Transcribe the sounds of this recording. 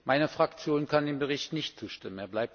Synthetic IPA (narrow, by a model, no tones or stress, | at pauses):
maɪnəfʁ̥akt͡sjoːnkʰandeːnbəʁɪçtnɪçtt͡suːʃtɪməneːɐblaɪp̚